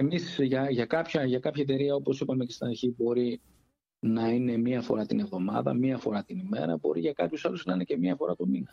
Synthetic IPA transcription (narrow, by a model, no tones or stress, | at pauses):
e̞misʝɐʝɐkɐpçɐʝɐkɐpçɐet̪e̞ɾiɐo̞po̞sipɐme̞ce̞st̪inɐɾçibo̞ɾi | nɐine̞miɐfo̞̰ɾɐt̪ine̞vðo̞mɐ̰ðɐ̰miɐfo̞ɾɐt̪inime̞̰ɾɐ̰bo̞̰ɾiʝɐkɐpçusɐluznɐinece̞mɲɐfo̞ɾɐt̪ominɐ